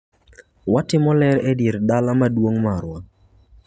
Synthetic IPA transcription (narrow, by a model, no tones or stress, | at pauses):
watɪmɔlɛɾɛdiɾdalamadwoŋmaɾwa